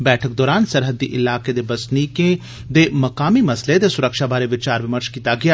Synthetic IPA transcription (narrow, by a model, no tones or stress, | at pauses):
bɛːʈʰək̚d̪ɔːɾaːnsəɾɦəd̪ḭːʔɪlaːked̪eːbəsniːkẽ | d̪eːməkaːmiːmɐsled̪eːsʊɾəkʃaːbaːɾeːʋɪt͡ʃaːɾʋɪməɾʃkiːt̪aːɡɪjaː